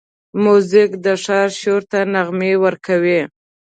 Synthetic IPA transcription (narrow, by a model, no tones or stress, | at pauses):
mozɪkd̪əʂɑɾʃoɾt̪anaɣmewəɾkawi